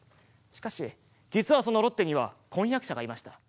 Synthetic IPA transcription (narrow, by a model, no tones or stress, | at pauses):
ɕi̥kaɕi | d͡ʑit͡sɨβaso̞no̞ɾo̞t̪ːe̞ɲ̟iβakõjakɯ̟ɕaɡaimaɕi̥t̪a